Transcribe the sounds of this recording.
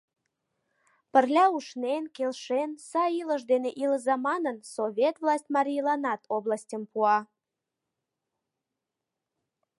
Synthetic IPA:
pərlʲɑuʃnenkelʃensɑiləʃd̪eneʔiləzɑmɑnənsoβʲet̪vlˠɑsʲtʲmɑɾʲijlˠɑnɑt̪ʰoblɑsʲtʲəmpuɑ

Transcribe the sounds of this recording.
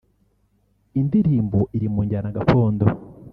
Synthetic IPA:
indiɾiːmboʔiɾimuːɲɟaːnaɡafoːndo

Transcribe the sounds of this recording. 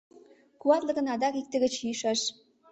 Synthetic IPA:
kuɑt̪lə̆ɣə̆nɑd̪ɑkik̚t̪ə̆ɡɘ̆t͡ɕyʃɑʃ

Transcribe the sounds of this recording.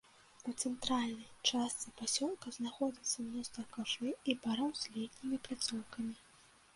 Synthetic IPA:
ut̪sɛnt̪ɾalʲnɐjt͡ʂast̪sɨpasʲɔlˠkɐznaxɔd͡zʲit̪sːɐnʲɔst̪vɐkaʐɨibaɾɔwzʲlʲit̪ʲnʲimʲiplʲat̪sɔwkɐmʲi

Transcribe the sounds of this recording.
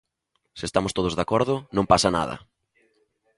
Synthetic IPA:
sɪest̪amʊst̪oðʊzðakɔɾðʊnõmpasɐna̰ðɐ̰

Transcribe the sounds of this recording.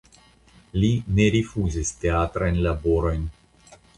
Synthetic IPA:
line̞ɾifuzisteatɾajnlabo̞ɾo̞jn

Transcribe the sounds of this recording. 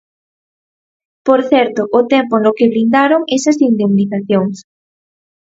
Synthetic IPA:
poɾθɛɾt̪oʔːt̪empoenlokeβɾind̪aɾoŋesasind̪emniθaθjoŋs

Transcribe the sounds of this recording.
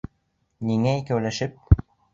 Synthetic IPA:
niŋæikæwlæʃɘp̚

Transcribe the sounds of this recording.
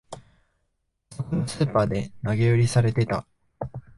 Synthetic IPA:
so̞konosɨːpaːd̪e̞naɡe̞ɯ̟ɾʲisaɾe̞t̪e̞t̪a

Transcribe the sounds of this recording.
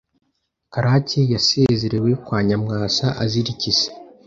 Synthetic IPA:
kaɾacejasezeɾewe̞kwaːɲamŋaːsaʔaziɾicize̥

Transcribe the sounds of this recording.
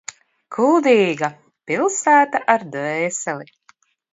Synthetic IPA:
kʰuld̪iːɡa | pilˠsæːt̪aʔaɾd̪vɛːsɛlʲˠi

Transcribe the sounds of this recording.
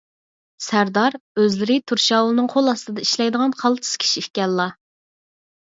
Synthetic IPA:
sæɾd̪ɑɾøzlɪɾɪt̪ʰuɾʃɑːwlˠɨnɨŋqʰolˠɑst̪ɨd̪ɑiʃlɛjd̪əʁɑnqʰɑlˠt̪ʰɨ̥skʲʰi̥ʃifkʲɛlːɑ

